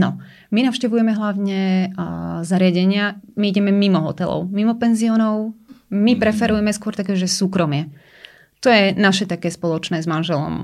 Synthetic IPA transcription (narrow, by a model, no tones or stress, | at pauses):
nɔ | minaʊʃcɛʋujɛmɛɦlaʊɲɛ | zaɾɪaɟɛɲɪamiiɟɛmɛmimɔɦɔ̰t̪ɛlɔ̰ʊmimɔpɛnziɔːnɔʊmipɾɛfɛɾujɛmɛskʊɔɾt̪akɛːʒɛsuːkɾɔmɪɛ | t̪ɔjɛnaʃɛt̪akɛːspɔlɔt͡ʃnɛːzmanʒɛlɔ̰m